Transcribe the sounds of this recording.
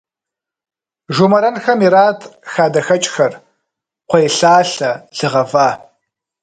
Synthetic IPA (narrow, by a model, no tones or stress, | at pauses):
ʒumɐɾɐnxɐmiɾaːtʰxaːdɐxɐt͡ʃʼxɐr | qʷʰɐjɬaːɬɐɮ̥ɨʁɐvaː